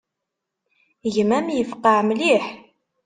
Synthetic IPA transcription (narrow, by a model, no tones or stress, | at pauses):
ʝəmæmjəfqːɑʕmliħ